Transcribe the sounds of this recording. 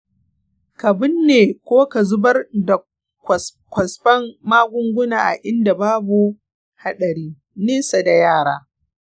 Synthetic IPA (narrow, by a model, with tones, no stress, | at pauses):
kɐ˨bɪ˦nːeː˨kʷoː˦ka˨zʊ˦bɐ˦rda˨ | kʷs | kʷɐ˨sɸɐ˦mːaː˦ɡʷʊ˦ŋɡʷʊ˦naː˨ʔa̰˨ʔɪ˦nda˨baː˦bu˨ | ha˦ɗɐ˨ɾiː˦ | neː˦sa˨da˨jaː˦˨ɽaː˦